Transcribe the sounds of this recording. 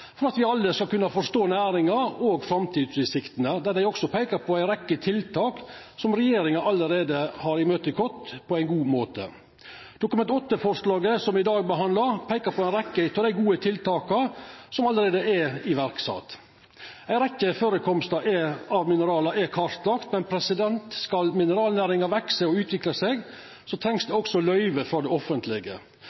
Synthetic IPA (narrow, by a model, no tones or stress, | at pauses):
fɔɾɑt̪ʋɪɑlːəskɑlkʉnːɑfɔʂt̪oːnæːɾɪŋɑɾoːɡfɾɑmt̪ʰiːd̪sɪsɪkt̪ənəd̪æd̪æɪɔksɔpʰæɪkəɾpʰɔæɪɾɛkːət̪ʰɪlt̪ʰɑːk | sɔmɾɛjeːɾɪŋɑʔɑlːəɾeːd̪əhɑɾɪmøːt̪əɪkʰɔt̪ːpʰɔæɪnɡuːmoːt̪ə̰ | d̪̥ʊkʉmɛnt̪ɔt̪ːəfɔɾʂlɑːɡəsɔmɪd̪ɑːɡ̚bəɦɑnd̪ləɾpʰæɪkəpʰɔænɾɛkːət̪ʰɔd̪æɪɡuːət̪ʰɪlt̪ɑːkɑsɔmɑləɾeːd̪əɛɪʋæɾksɑ̰ːt̪ | æɪnɾɛkːəføːɾəkʰɔmst̪ɑʔɛɑʋmɪnəɾɑːlɑʔɛkʰɑɾt̪lɑːkt̪mɛnpʰɾɛsɪd̪ɛnt̪skɑlmɪnəɾɑːlnæːɾɪŋɑʋɛksəɔʉːt̪ʰʋɪklɑsɛɡ | sɔt̪ʰɾɛŋsd̪ɛɔksɔlœʏʋəfɾɑd̪ɛɔfənt̪ʰlɪɡə̰